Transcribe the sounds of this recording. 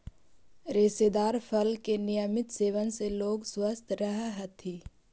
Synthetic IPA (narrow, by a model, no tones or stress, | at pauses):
ɾɪsed̪aːɾfʰəlkenijəmɪt̪seːʋənseloːɡswəst̪ʰɾəɦaɦət̪ʰiː